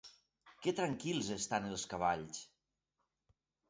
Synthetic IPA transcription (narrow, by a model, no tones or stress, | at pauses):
kɛt̪ɾaŋkilˠzest̪anəlˠskaβ̞aʎs